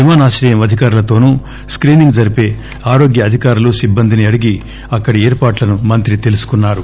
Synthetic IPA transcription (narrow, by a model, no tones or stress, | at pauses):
imaːnaːʃɾɐːjɐmɐd̪ʱikaːɾulɐt̪o̞ːnuː | skɾiːniŋɡd͡ʒɐɾipeː | aːɾo̞ːɡjɐːd̪ʱikaːɾuluːsibːɐnd̪iniɐɽiɡi | ɐkːɐɽieːɾpaːʈlɐnumɐnt̪ɾit̪e̞lusu̥kunːaːɾu